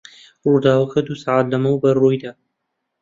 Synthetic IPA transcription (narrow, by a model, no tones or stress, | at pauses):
rud̪aːwɐxɐd̪usaʕaːd̪lɐmɐwbɐrujd̪aː